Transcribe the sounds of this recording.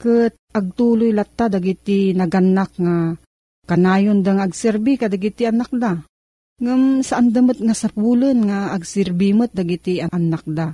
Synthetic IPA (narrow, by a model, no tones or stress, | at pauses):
kɨt̪̚ʔɐɡ̚t̪uːlojlat̪ːad̪aɡit̪inɐɡanːak̚ŋa | kanaːjond̪aŋaʔːɡsɛɾbikad̪aɡit̪iʔanak̚d̪a | ŋəmsaʔand̪amət̪̚ŋasapulənŋaːɡsɪɾbimət̪̚d̪aɡit̪iʔaʔanːak̚d̪a